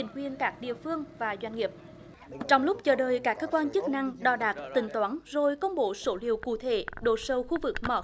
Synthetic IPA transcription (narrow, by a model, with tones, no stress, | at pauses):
ï˨˩ŋ̟kwi˧˨ənkaː˦˥k̚ɗḭ˧˨əfɨ˧əŋvaː˨˩zwa˧jŋ̟ŋi˨˩əp̚ | t͡ɕɔ˧wŋ͡mlʊ˦˥k͡p̚t͡ɕəː˧˩ɗəː˨˩jkaː˦˥kːəː˧kwaː˧nt͡ɕɨ˦˥k̚na˧ŋɗɔ˨˧˩ɗaː˨˦˩t̚t̪ï˧˩ŋ̟t̪waː˨˦nzo˨˩jkə˧wŋ͡mɓo˧˦so˧˦lḭ˨əwkṵ˧˨t̪ʰe˧˩˦ɗo̰˧˩sə˨˧˩wxu˧vɨ˨˩k̚mɔ̰˧˩